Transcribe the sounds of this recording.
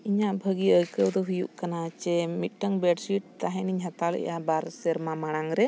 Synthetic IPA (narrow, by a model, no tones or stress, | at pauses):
iɲaʔbʱəɡiəjkəwd̪ɔɦujṵʔkanat͡ʃɛmit̪̚ˀʈəŋbɛɖsiʈ̚t̪aɦɛ̃niɲɦat̪alɛ̰jabaɾsɛɾmamaɽ̃aŋɾɛ